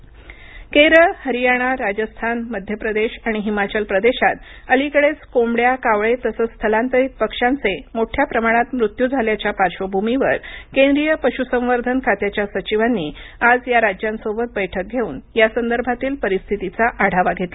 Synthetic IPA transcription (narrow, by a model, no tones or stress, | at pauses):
keɾəɭhəɾijaɽ̃aɾad͡ʑəst̪ʰanməd̪ʱjəpɾəd̪eɕaɽ̃iɦimat͡ɕəlpɾəd̪eɕat̪ | əlikəɽet͡skomɽjakaʋɭet̪əsəst̪ʰəlant̪əɾit̪̚pəkʂant͡semoʈʰjapɾəmaɽ̃at̪mɾut̪jud͡zʱaljat͡ɕjapaɾʂəbʱumiʋəɾkẽnd̪ɾijəpəɕusə̃mʋəɾd̪ʱənkʰat̪jat͡ɕjasət͡ɕiʋanːiad͡zjaɾad͡ʑjansobət̪̚bəjʈʰək̚ɡʱeuːnjasənd̪əɾbʱat̪iːlpəɾist̪ʰit̪it͡saʔaɽ̤aʋaɡʱet̪a